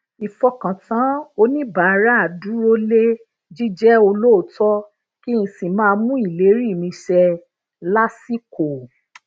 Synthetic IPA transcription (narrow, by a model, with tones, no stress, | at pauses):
i˨fɔ˧kã˨tã˨˦o˦nĩ˦ba˨˧ɾa˦a˨du˨˦ɾo˦le˦ | d͡ʒi˦d͡ʒɛ˦o˧lo˦o˨˦tɔ˦ | ki˦ĩ˧si˨mãː˦˧mũ˦i˦˨le˨˦ɾi˦˨mĩ˧ʃɛ˧ | la˦si˦ko˨